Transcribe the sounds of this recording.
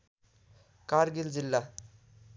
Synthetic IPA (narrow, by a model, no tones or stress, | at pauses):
kaɾɡild͡zilːa